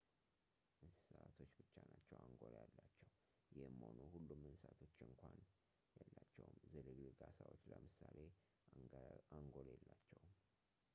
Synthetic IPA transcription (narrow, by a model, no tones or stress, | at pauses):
ʔɨnsat̪ʰo̞t͡ʃːbɨt͡ʃːanat͡ʃːɛwaŋɡo̞ljalːat͡ʃːɛw | jɪhmho̞nuhulːumːɨnsat̪ʰot͡ʃːɨŋkʷʰan | jɛlːat͡ʃːɛwmzɨlɨɡlɨɡasawo̞t͡ʃːləmɨsale̞ | aŋɡo̞lɛlːat͡ʃːɛwm